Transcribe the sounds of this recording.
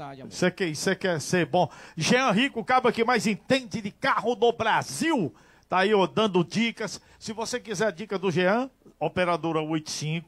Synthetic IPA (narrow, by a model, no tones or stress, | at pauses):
asekẽsekɛɾseɾbõʒeɐ̃ɦikʊkabɐkɪmajzẽt̪ẽd͡ʒɪd̪ɪkaɦʊnobɾaziw | t̪aiod̪ɐ̃nd̪ʊd͡ʒikɐsː | ɪvosekizɛɾd͡ʒikɐd̪ʊʒeɐ̃opeɾad̪oɾɐojt̪ʊ̥sĩkʊ